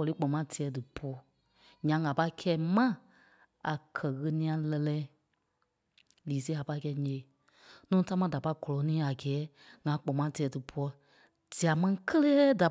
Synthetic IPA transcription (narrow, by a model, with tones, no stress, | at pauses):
ɔ˨li˨˦k͡pɔ̃˨mã˨˦ti˨ɛ˨˦dɨ˨pɔ˧˦ | ɲã˨ŋã˨pa˧i˦kʰɛː˧˦mã˦ | a˨kʰɜ˨ɣə˧nĩ˧˦ã˧lɛ˧lɛː˦ | liː˨˦s̬e˦a˨pa˧i˦˧kɛː˧˨˦ɲẽ˨ | nũː˦ta˦mã˧˦˧da˨pa˧˦i˦ɡɔ˨lɔ˨˦nĩː˨˦a˨ɡɛː˨˦ | ŋã˨˦k͡pɔ̃˨mã˨˦ti˨ɛ˨˦dɨ˨pʰu˧˦ɔ˧˦ | d̥i˨a˨mã˦ĩ˧kʰə˦leː˦da˨